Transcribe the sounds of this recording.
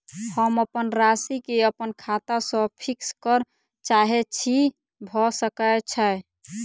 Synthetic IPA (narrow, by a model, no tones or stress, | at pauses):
həməpənɾasikeəpənkʰat̪asə̃pʰikskəɾ | t͡ʃaɦɛt͡ʃʰi | bʱɔsəkət͡ʃʰə